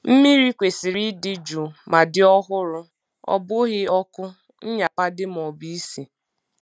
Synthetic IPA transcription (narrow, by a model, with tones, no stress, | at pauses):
m̩˦mi˦ɾi˦kʷe˨si˨ɾi˦dɪ˦d͡ʒu˨ma˨dɪ˦ɔ˦ɦʊ˦ɾʊ˦ | ɔ̰˦bʊ˦ɣɪ˦ɔ˦kʊ˦ | n̩˦ɲa˨pa˦dɪ˦m̩˨ɔ˨bi˦i˦si˨